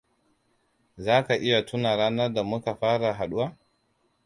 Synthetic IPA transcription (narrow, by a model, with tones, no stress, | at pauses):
zaː˦ka˨ʔɪ˦ja˨tʊ˦na˨ɾaː˦nɐ˦rda˨mʊ˦ka˨ɸaː˦ɽa˨ɦa˨ɗʊ˦waː˦